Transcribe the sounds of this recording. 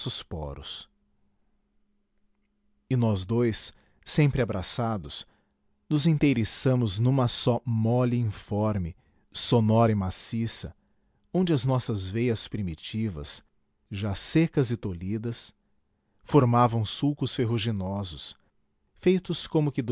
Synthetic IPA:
sʊspɔ̰ɾʊ̰s | ɪnɔzd̪ojsː | ẽmpɾɪabɾasad̪ʊs | nʊzẽt̪ejɾesɐ̃mʊznũmɐsɔmɔlɪĩfɔɾmɪ | sonɔɾɐɪmasisɐ̰ | õnd͡ʒɪɐznɔsɐzvejɐspɾimit͡ʃivɐ̰s | ʒasekɐzɪt̪olid̪ɐs | foɾmavɐ̃w̃suwkʊsfeɦuʒinɔzʊs | fejt̪ʊskõmʊkɪd̪

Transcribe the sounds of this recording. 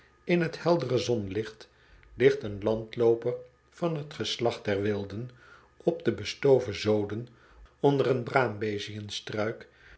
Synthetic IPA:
ɪnɦəthɛlˠdərəzɔnlɪχt | lɪχtənlɑntlowpər | v̥ɑnɦətχəslɑχdɛɹʋɪlˠdən | ɔb̚dəbəstowvəzowdən | ɔndərənbraːmbejziənstrœɥk

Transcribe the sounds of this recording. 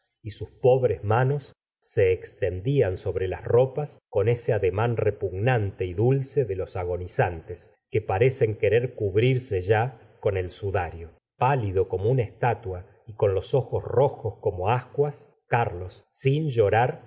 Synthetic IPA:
isuspoβɾezmano̞sː | e̞ːkst̪end̪ianso̞βɾelasro̞pasko̞ne̞seaðemanrepuɣnant̪e̞iðulse̞ðelo̞saɣo̞nisant̪es | kepaɾe̞se̞ŋkeɾeɾkuβɾiɾseʒa | ko̞ne̞lsuðaɾjo | paliðo̞ko̞mounaest̪at̪wa | iko̞nlo̞so̞xosro̞xoskomo̞askwas | kaɾlo̞sːinʒo̞ɾaɾ

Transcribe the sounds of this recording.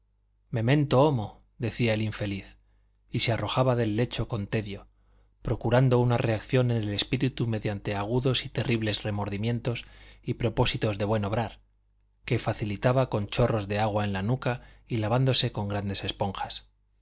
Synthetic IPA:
me̞mẽ̞nt̪oomo̞ | ðe̞θiae̞liɱfe̞liθ | isearo̞xaβaðe̞lːe̞t͡ʃo̞ko̞nt̪e̞ðjo̞ | pɾo̞kuɾand̪o̞unare̞akθjo̞ne̞nele̞spiɾit̪ume̞ðjant̪e̞aɣ̞uðo̞sit̪e̞riβle̞zre̞mo̞ɾðimjẽ̞nt̪o̞sipɾo̞po̞sit̪o̞zðe̞βwe̞no̞β̞ɾaɾ | ke̞faθilit̪aβako̞nt͡ʃo̞ro̞zðeaɣ̞waenlanukailaβ̞and̪o̞se̞ko̞ŋɡɾand̪e̞se̞spo̞ŋxḁs

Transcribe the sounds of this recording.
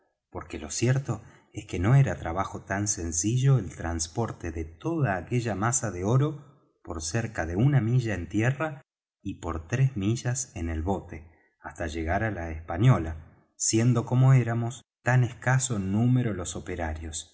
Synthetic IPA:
po̞ɾkelo̞sjeɾt̪o̞ | eske̞no̞eɾat̪ɾaβ̞axo̞t̪anse̞nsiʒo̞elt̪ɾanspo̞ɾt̪eðet̪o̞ðaːke̞ʒamasaðeo̞ɾo̞ | po̞ɾseɾkaðe̞unamiʒaent̪jera | ipo̞ɾt̪ɾezmiʒasene̞lβo̞t̪e̞ | ast̪aʒe̞ɣaɾalaespaɲjo̞la | sje̞nd̪o̞ko̞mo̞e̞ɾamo̞st̪aneskasonːume̞ɾo̞lo̞so̞pe̞ɾaɾjo̞s

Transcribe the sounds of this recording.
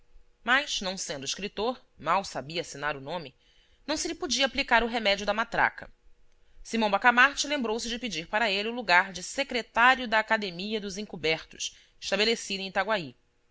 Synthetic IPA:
majz̥nɐ̃w̃sẽnd̪ʊiʃkɾit̪oɾ | mawsabiɐːsinaɾʊnõmɪ | nɐ̃w̃sɪlɪpod͡ʒiɐaplikaɾʊɦemɛd͡ʒiʊd̪ɐmat̪ɾa̰kɐ̰ | simɐ̃bakamaɾt͡ʃɪlẽmbɾowsɪd͡ʒɪpid͡ʒiɾpaɾɐeliʊluɡaɾd͡ʒɪsekɾet̪aɾjʊd̪ɐːkad̪emiɐd̪ʊzẽŋkubɛɾt̪ʊ̥ʃ | ɪ̥ʃt̪abelesid̪ẽt̪aɡwai

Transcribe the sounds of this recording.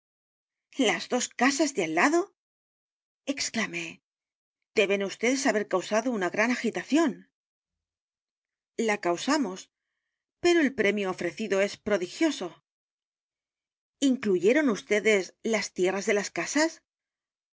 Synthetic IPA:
lazðo̞skasazðealːaðo̞ | e̞ksklame̞ | d̪̥e̞βe̞nust̪e̞ðe̞saβe̞ɾkawsaðounaɣɾanaxit̪aθjo̞n | lakawsamo̞s | pe̞ɾo̞elpɾe̞mjoːfɾe̞θiðo̞e̞spɾo̞ðixjo̞so̞ | iŋkluʝe̞ɾo̞nust̪e̞ðe̞slast̪je̞razðe̞laskasas

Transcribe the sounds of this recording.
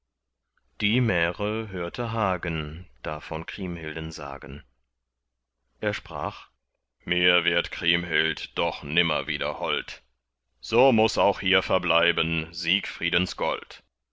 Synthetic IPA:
d̥iːmɛːʁəɦøːɐtʰəɦaːɡənd̥aːfɔnkʁ̥iːmhɪldənza̰ːɡən | ʔeːɐʃpʁ̥a̰ːχ | miːɐvɪɐtkʁ̥iːmɦɪltd̥ɔχnɪmɐ̰viːdɐ̰hɔlt | z̥oːmʊsaʊxhiːɐfɛɐblaɪbənziːkfʁ̥iːdənsɡ̥ɔ̰lt

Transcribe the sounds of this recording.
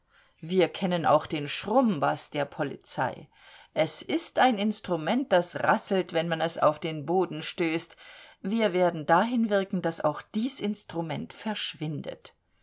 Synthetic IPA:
viːɐkʰɛnəna̰ʊxd̥eːnʃʁ̥ʊmbasd̥eːɐpʰɔlḭt͡sa̰ɪ | ʔɛsɪstaɪnɪnstʁ̥umɛnt̚d̥asʁa̰sl̩tv̥ɛnmanɛsa̰ʊfd̥eːnboːdn̩ʃtøːstviːɐveːɐdn̩daːɦɪnvɪɐkŋ̩d̥asa̰ʊxd̥iːsʔɪnstʁ̥umɛntfɛɐʃv̥ɪndə̰t

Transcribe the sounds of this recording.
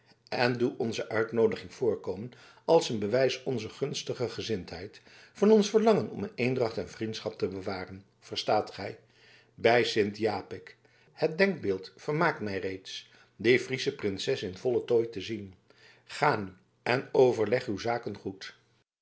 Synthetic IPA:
ɛnduɔnzəʔœɥtnowdəχɪŋv̥ʊːɹkowmən | ɑlˠsənbəʋɛjsɔnzəχɵnstəχəχəzɪntɦɛjt | fɑnɔnsfəɹlɑŋənɔ̰mənejndrɑχtɛnvrintsχɑp̚təbəʋaːrən | v̥əɹstaːtχɛj | bɛjsɪntjaːpɪk | hət̚dɛŋɡ̚bɪːlˠtfəɹmaːk̚tmɛjrejts | defrisəprɪnsɛsɪnv̥ɔlətoːjtəzin | χaːny | ɛnowvəɹlɛχywzaːkənχut

